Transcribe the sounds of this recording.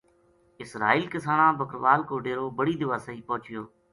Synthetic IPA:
ɪsɾa̰ːiːlkɪsaːɳãːbəkɾʋaːlkoːɖeːɾõːbəɽiːd̪ɪʋaːsəiːpɔ̃ːt͡ʃɪjoː

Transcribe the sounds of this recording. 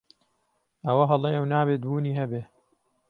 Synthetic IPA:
ʔɐwɐɦɐlˠeːɐwnaːbeːt̪̚buːniːɦɐbeː

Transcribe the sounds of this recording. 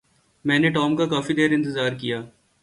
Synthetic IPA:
mɛ̃ːneʈɔːmkakaːfid̪eːɾɪ̃nt̪̬ɪzaːɾkijaː

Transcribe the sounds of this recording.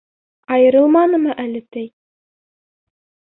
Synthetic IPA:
ɑjɤ̆ɾɤlˠmɑnɤmɤʔælɘt̪ɘj

